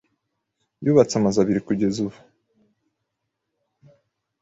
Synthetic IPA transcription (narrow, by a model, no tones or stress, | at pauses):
juβat͡samazaβiɾikuɟe̞zuβu